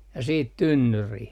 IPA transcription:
jɑ siːt tynːyrih

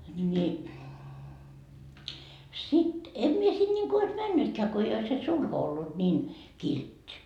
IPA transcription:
ni sit en mie sin nʲiŋku ois mænːytkæː ko ei ois se sulho olːut nʲiːn kiltʲːi

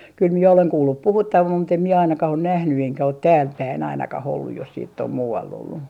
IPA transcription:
kyl mie oleŋ kuːlːup puhutːɑʋɑm mut em mie ɑinɑkɑh on̆ næhny eŋkæ ot tæːlpæin ɑinɑkɑh olːuj jos siːtː om muːɑlː olːu

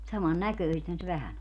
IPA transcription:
sɑmɑn nækøˑĭsethæn se ʋæhæn o

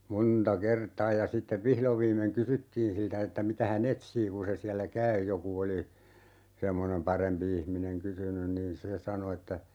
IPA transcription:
montɑ kertɑː jɑ sitːeʋ ʋihloʋ ʋiːmːeŋ kysytːiːn siltæ etːæ mitæ hæn etsiː kun̞ se siælːæ kæy joku oli semːonem pɑrempi ihmineŋ kysynyn niːn se sɑno etːæ

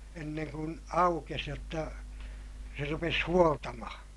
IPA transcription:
enːeŋ kun ɑukes jotːɑ se rupes huoltɑmɑhɑ̃ː

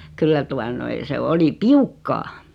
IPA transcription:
kylːæ tuɑ noi se oli piukːɑː

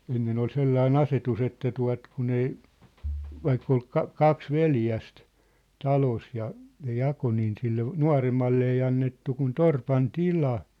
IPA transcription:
enːen ol selːɑin ɑsetus etːæ tuɑ̝t kun ei ʋɑikː ol kɑ kɑks ʋeljæst tɑlos jɑ ne jɑko niːn silːe nuɑ̝remːɑlːe ei ɑnːetːu kun torpɑn tilɑ

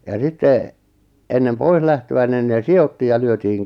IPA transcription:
jɑ sitːe enːem pois læhtøæ nin neː siotːiːj jɑ lyøtiːŋ

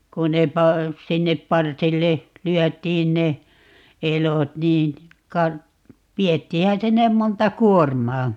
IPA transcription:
ku ne pɑ sinːep pɑrsilːe lyœˑtˑiːn ne elot niːn kɑ ʋietːiːhæ sinːem montɑ kuormɑː

